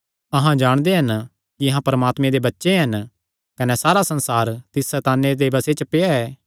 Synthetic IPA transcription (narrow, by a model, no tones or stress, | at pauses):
ɐɦãd͡ʒaːɽ̃d̪eɦɐn | kiɐɦãpɐɾəmaːt̪mẽd̪ebɐtːʃeɦɐn | kɐnɛsaːɾasɐ̃nsaːɾt̪ɪsːɛt̪aːnːed̪ebɐset͡ʃəpeaɛː